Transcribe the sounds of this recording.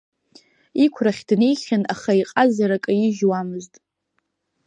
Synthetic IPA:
ikʷʰraχʲdnejχʲanaχaiqʼazaɾakʼɨjɪʒwamɨztʼ

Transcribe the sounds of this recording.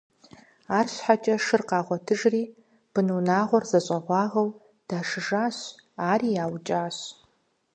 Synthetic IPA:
aːrɕħat͡ʃʼɐʂɨrqɑːʁʷɔtʰɨʒriː | b̥ɨnuːnaːʁʷɔrzɐɕʼɐʁʷɑːʁɐw | d̥aːʂɨʒaːɕaːriːjaːwt͡ʃʼaːɕ

